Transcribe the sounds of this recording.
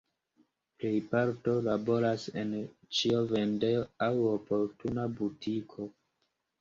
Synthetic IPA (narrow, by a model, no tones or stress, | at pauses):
ple̞jpaɾto̞labo̞ɾase̞̰nt͡ʃiove̞ndeoawopo̞ɾtunabutʰikʰo̞